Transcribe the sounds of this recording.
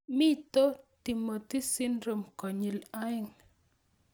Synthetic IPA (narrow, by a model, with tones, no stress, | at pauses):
mi˦t̪o˦t̪i˨mo˨t̪i˦si˦nɾo˨mkɔ˨ɲi˨la˦ɪ˦ŋ